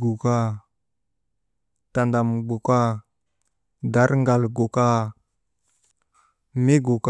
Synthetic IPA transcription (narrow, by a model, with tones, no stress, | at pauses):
ɡu˨ka˦ | ta˨nda˨mɡ͡bu˨ka˦ | da˦ɾŋɡa˨lɡu˨ka˦ | mi˦ɡu˨k